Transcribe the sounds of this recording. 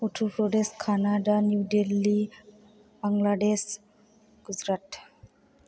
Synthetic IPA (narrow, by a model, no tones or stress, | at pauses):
oʈʰupɾoɖeʃkʰanaɖanjuɖelːi | baŋlaɖeʃ | ɡ̥ud͡ʒɾaʈ